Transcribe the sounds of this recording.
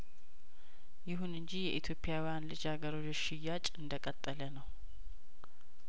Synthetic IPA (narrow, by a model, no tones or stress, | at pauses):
jɪɦunɨɲd͡ʒijɛʔit̪ʰjo̞pʰʼːɪjawjanlɨd͡ʒhaɡəɾod͡ʒʃɪjːat͡ʃʼɨnd̪əkʼət̪ʼːələnəw